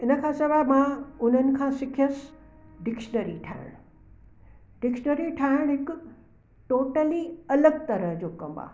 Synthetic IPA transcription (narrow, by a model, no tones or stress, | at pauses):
ɪnəkʰãsɐʋaːmãʊn̤ənɪ̆kʰãsɪkʰijəs | ɖɪkʃnəɾiʈʰa̰ɪ̰ɽ̃ | ɖɪkʃnəɾiʈʰaːɪɽ̃ɦɪk | ʈoːʈəliɐləɡ̚t̪ɐɾəɦd͡ʑoːkɐ̃mbã̰